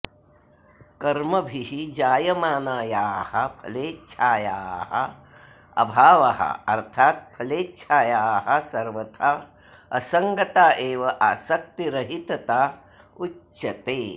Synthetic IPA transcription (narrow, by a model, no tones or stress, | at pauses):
kɐɾmɐbʱiɦid͡ʒaːjɐmaːnaːjaːhɐpʰɐleːtːʃʰaːja̰ːɦɐ̰ | ɐ̰bʱaːʋɐɦɐ̰ɐɾt̪ʰaːt̪̚pʰɐleːtːʃʰaːjaːɦɐsɐɾʋɐt̪ʰaː | ɐsɐŋɡɐt̪aːʔeːʋɐʔaːsɐk̚t̪iɾɐɦit̪ɐt̪aː | ut͡ʃʃɐt̪eː